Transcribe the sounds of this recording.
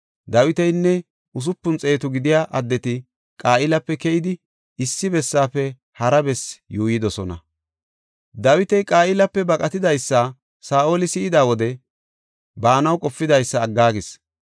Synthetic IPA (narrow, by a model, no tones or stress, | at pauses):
d̪ɐwɪt̪ɛjnːɛ | ʊs̬ʊpːʊnt͡sʼe̞ːt̪ʊɡɪd̪ɪjaːʔɐd̪ːɛt̪ɪ | kʼaːʔɪlɐpːɛkɛʔɪd̪ɪ | ɪsːɪbɛsːaːpːɛ | hɐɾɐbɛsjuːjɪd̪ɔsɔnɐ̰ | d̪ɐwɪt̪ɛjkʼaːɪlɐpːɛbɐkʼɐt̪ɪd̪ɐjsːa | saːʔoːlɪsɪɪd̪aːwɔd̪ɛ | baːnɐwkʼɔfːɪd̪ɐjsːɐːɡːaːɡɪs